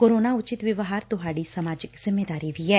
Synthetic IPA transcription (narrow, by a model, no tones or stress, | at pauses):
koːɾoːnaːʊt͡ʃɪt̪ʋɪʋəɦaːɾt̪ʊɦaːɖiːsəmaːd͡ʒɪkzɪmːeːd̪aːɾiːʋiːɦɛː